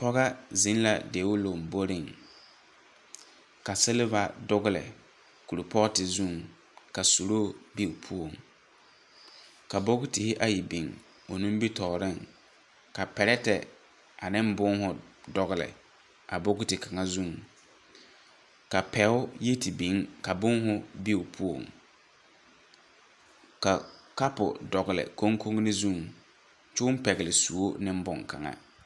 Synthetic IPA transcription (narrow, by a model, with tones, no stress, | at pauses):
pɔ˦ɣa˦zɪ˨˦n˦la˨deː˨˦wʊ˦lo˨m̩˨bo˦ɾɪ˦˨ŋ | ka˨sɛ˦le˦va˨dʊ˦ɣʊ˦lɪ̰˨ | ku˨ɾʊ˨pɔ˦ɣtɪ˨zu˦˨ŋ | ka˨su˨ɾoː˦˨bi˦˨pʰu˦o˨ŋ | ka˨bo˦ɡʊ˦tɪ˨hɪ˦ʔa˦ji˨bi˨ŋ | o˨nũ˦m˦bi˦tɔː˨ɾɪ˦˨ŋ | ka˨pɛ˨ɾɛ˦tɛ˨ | ʔa˨nɪ˦m˦bʊ˦ŋ˦hʊ˦dɔ˨ɣɪ˨lɪ̰˨ | a̰˨bo˦ɡʊ˦tɪ˨ka˨ŋa˦zu˦˨ŋ | ka˨pɛ˨˦ʊ˦je˦ti˨bi˨˦ŋka˨bʊ˦ŋɦʊ˦bi˦ʊ˨pʰu˦o̰˨ŋ | ka˨ka˦pʊ̰˨dɔ˨ɣɪ˨lɪ̰˨ko˦ŋkʰo˦ŋ˦nɪ˦zu˦˨ŋ | t͡ʃʊ˦m˦pɛ˨ɣɪ˨lɪ˨su˨o˦nɪ˦m˦bʊ˦˨ŋka̰˨ŋa̰˦